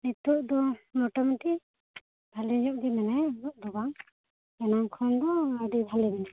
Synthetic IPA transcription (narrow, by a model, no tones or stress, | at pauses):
nit̪uʔd̪ɔmɔʈɔmɛʈi | bʱaliɲuʔd̪imɛnajɔʔd̪ɔbaŋ | ɛnaŋkʰɔnd̪ɔːɖibʱalimɛna